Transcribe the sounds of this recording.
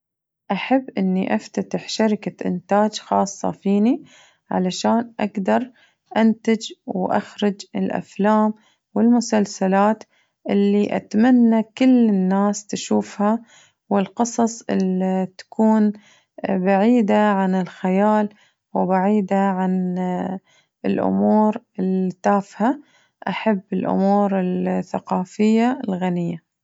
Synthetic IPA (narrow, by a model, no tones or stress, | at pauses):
ʔaħabːʔɪnːiʔaft̪at̪ɪħʃaɾɪkaʔɪ̰nt̪aːd͡ʒxɑːsˤːɑ̰fiːni | ʕa̰laʃaːnʔaɡd̪ɑɾˤ | ʔant̪ad͡ʒwʔa̰xɾʊd͡ʒɪlʔa̰flaːm | wɪlmʊsalsalaːt̪ | ʔɪlːiʔa̰t̪manːakɪlːɪnːaːst̪aʃuːfha | wɪlqɨsˤɑsˤʔɪlt̪ḁkʰuːn | baʕiːd̪aʕanɪlxajaːl | wɪbaʕiːd̪aʕan | ɪlʔʊ̰muːɾɪlt̪aːfha | ʔaħabːɪlʔʊ̰muːɾɪlθaqɑːfɪjːalɣanɪjːa